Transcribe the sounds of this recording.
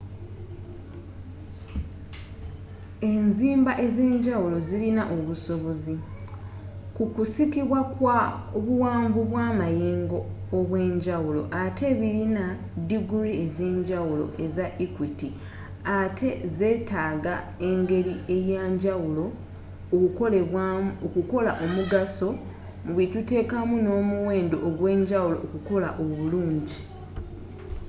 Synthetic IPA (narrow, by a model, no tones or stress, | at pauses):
e̞nziːmbaʔe̞ze̞ːɲɟawulo̞zilinaʔo̞βuso̞βo̞zi | kukusikiβwakwa | oβuwaːɱvuβwaːmajeːŋɡo̞ːβwe̞ːɲɟawulo̞̰ʔatʰe̞βilina | diɡuɾieze̞ːɲɟawulo̞̰ʔe̞zaʔikwiti | atʰe̞ze̞ːtaːɡa | e̞ŋɡe̞ɾie̞jaɲɟawulo̞ | olwokuko̞laʔo̞muɡaso̞ | muβitute̞ːkamuno̞ːmuwe̞ːndo̞ʔːɡwe̞ːɲɟawulo̞ːkuko̞laʔo̞βuluːɲɟi